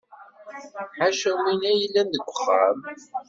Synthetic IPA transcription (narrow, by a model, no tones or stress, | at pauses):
ħaʃəwinæjəlːænd̪əɡʷəχːæ̰m